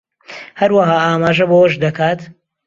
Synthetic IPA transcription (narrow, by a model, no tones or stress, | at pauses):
hɐɾwɐɦaːaːmaːʒɐbowɐʃd̪ɐkʰaːt̪